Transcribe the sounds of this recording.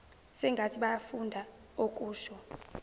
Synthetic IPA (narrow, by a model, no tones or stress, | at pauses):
sɛŋɡʱatʰiɓajafundʱa | ok̬ʼuːʃɔ